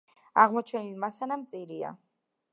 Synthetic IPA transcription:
aʁmɔt͡ʃʰɛnilmasanamt̪sʼiɾia̰

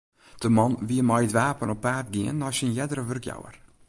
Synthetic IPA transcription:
d̥əmɑnʋiəmajdʋaːpənɔp̚baːrt̚ɡiənɔsinjɛdəɾəʋørkja̰wə̰r

